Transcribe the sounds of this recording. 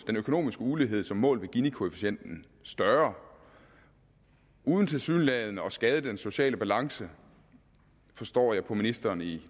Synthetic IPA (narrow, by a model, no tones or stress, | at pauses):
d̥enøkʰo̝no̝̰ːmisɡ̥əuliɦe̝ð̞̰ˠsɒ̽mːɔ̰̽ːlʋe̝ɡ̥inikʰo̝e̝fiɕen̰d̥n̩ | sd̥ɶɐ | ʔuːð̞ˠn̩t͡sʰe̝lsy̰ːnlɛðˠnəɒ̽sɡ̥ɛð̞ˠəd̥enso̝ɕɛ̰ːləb̥ælɑ̈ŋsə | fɒ̽sd̥ɒ̰ːjɑ̈ɪpʰɒ̽minisd̥ɐːni